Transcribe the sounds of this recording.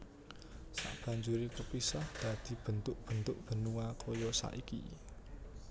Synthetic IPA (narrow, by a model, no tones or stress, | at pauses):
sa̰ʔb̥ä̤ɲd͡ʒuɾit̪ərpisahd̪̥ä̤d̪̥i̤b̥ə̤nt̪ʊʔ̚b̥ə̤nt̪ʊʔb̥ə̤nuakʰɔjɔsa̰ʔikḭ